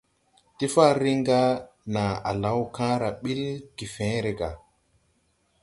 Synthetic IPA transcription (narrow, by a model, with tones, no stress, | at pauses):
ti˦fa˦ɾi˦ŋɡa˦ | na˨a̰˨la˨˦wkã˦ɾa˨ɓi˦lki˨fẽ˨˦ɾe˨ɡa˨